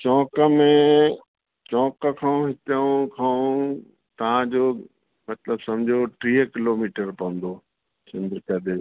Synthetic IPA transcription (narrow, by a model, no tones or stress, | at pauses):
t͡ɕɔ̃ːkəmẽ | t͡ɕɔ̃ːkəkʰãːũɦɪt̪əũkʰã | t̪ɐʋ̤ãd͡ʑoː | mɐt̪ləbsɐ̃md͡ʑʱoʈɾiːɦəkɪloːmiːʈəɾpɐə̃nd̪oː | sɪ̃nd̪ɾkɐd̪e